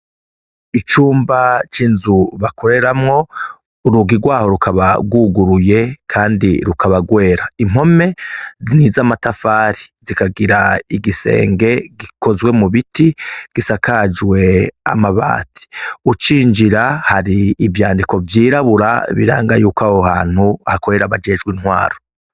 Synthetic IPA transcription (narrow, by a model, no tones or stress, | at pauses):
it͡ʃuːmbat͡ʃinzuβakʰo̞ɾe̞ɾamŋo̞ | uɾuɡiɡwaːho̞ɾukʰaβa̰ɡwuɡuɾuje̞kʰaːndiɾukʰaβaɡwe̞ːɾaim̥ho̞me̞nizamatafaːɾizikaɡiɾaiɡise̞̰ːŋɡe̞ɡikʰo̞zwe̞muβitiɡ̥isakad͡ʒwe̞a̰maβa̰ːtʰi̥ut͡ʃiːɲd͡ʒiɾahaɾiːvjaːndiko̞vjiːɾaβuɾa̰βḭɾa̰ːŋɡajuːkahoha̰ːn̥huahakoɾe̞ɾaβad͡ʒe̞d͡ʒɡwinhwa̰ːɾo